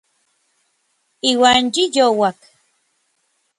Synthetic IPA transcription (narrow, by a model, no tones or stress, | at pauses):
iwand͡ʒijowak